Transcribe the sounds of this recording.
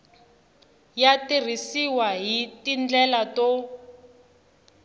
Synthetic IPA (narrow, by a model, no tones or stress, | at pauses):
jatir̤isiwaɦitind͡ɮɛlato